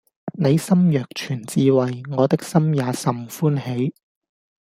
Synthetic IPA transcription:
ne˨˧jsɐ˥mjœː˨k̚t͡ʃʰyː˨˩nt͡siː˧wɐ˨jŋɔː˨˧t̪ɪ˥k̚sɐ˥mjaː˨˧sɐ˨mfuː˥nhe˨˥j

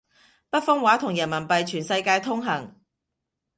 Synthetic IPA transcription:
pɐ˥t̚fʊ˥ŋwaː˨˥t̪ʰʊ˨˩ŋjɐ˨˩nmɐ˨˩npɐ˨jt͡ʃʰyː˨˩nsɐ˧jkaː˧jt̪ʰʊ˥ŋɦɐ˨˩ŋ

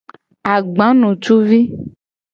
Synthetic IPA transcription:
a˨ɡ͡bã˨˦nɔ̃˨t͡ʃu˦vi˦

